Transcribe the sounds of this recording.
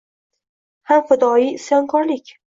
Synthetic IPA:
hamfad̪ɒisjɒŋkʰɒɾlɪkʲ

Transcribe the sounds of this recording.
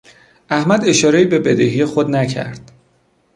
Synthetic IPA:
æhmæd̪e̞ʃɒːɾe̞iːbe̞be̞d̪eɦijexod̪næcʰæ̰ɾd̪̥

